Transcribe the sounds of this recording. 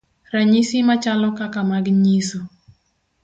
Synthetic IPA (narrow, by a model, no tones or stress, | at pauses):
ɾaɲisimat͡ʃalɔkakamaɡɲiso